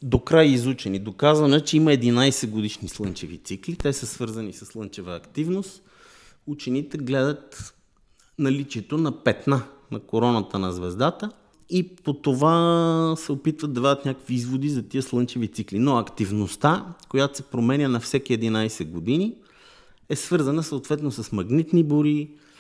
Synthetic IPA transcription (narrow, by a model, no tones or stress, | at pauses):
d̪okɾajizut͡ʃɛnid̪okazvɐnɛt͡ʃɛimɐɛd̪inajsɛɡod̪iʃnislˠɤnt͡ʃɛvit̪siklit̪ɛsəsvɤɾzɐnisɐslˠɤnt͡ʃɛvəːkt̪ivnost̪ | ut͡ʃɛnit̪ɛɡlɛd̪ət̪ | nɐlit͡ʃiɛt̪onɐpɛt̪nanɐkoɾɔnɐt̪ənɐzvɛzd̪at̪ə | ipot̪ovasɛopit̪vət̪d̪̚ɐvad̪ət̪nʲakəkviizvod̪izɐt̪iəslˠɤnt͡ʃɛvit̪siklinoɐkt̪ivnost̪akojat̪o̥sɛpɾomɛnʲənɐfsɛkiɛd̪inajsɛd̪ɡod̪ini | ɛsvɤɾzɐnəsɐot̪vɛt̪nosɐsmɐɡnit̪niboɾi